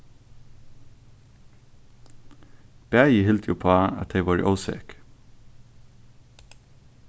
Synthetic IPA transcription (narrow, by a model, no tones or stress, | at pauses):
b̥æːjəhɪlt̪juːpʰoːɑ̰t̪̚d̪eɪʋɑːɹḭːʔɔʊsḛk